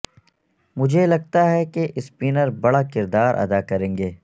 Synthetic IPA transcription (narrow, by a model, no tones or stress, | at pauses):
mʊd͡ʒʱelɐɡ̚t̪aɦɛkeʔɪspiːnəɾbɐɽakɪɾd̪aːɾʔɐ̰d̪aːkɐɾẽːŋɡeː